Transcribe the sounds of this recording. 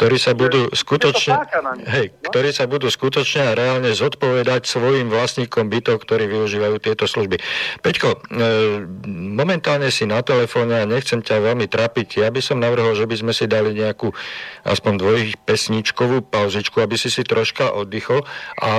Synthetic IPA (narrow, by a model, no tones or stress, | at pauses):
k̚t̪ɔɾiːsabud̪uːskut̪ɔt͡ʃɲɛɦɛjkt̪ɔɾiːsabud̪uːskut̪ɔt͡ʃɲɛaɾɛaːlɲɛzɔt̪pɔʋɛd̪acsʋɔjimʋlasɲiːkɔmbit̪ɔʊkt̪ɔɾiːʋiuʒiːʋajuːt̪ɪɛt̪ɔsluʒbipɛckɔ | mɔmɛnt̪aːlɲɛsinat̪ɛlɛfɔːɲɛaɲɛxt͡sɛmcaʋɛlmit̪ɾaːpicjabisɔmnaʋr̩ɦɔlʒɛbizmɛsid̪aliɲɛakuːʔa̰spɔnd̪ʋɔjipɛsɲiːt͡ʃkɔʋuːpaʊzit͡ʃkuabisisit̪ɾɔʃkaʔɔd̪ixɔlʔa̰